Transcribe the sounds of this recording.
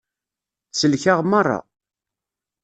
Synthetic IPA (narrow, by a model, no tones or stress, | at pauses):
səlçaʁmɑrˤːɑ̰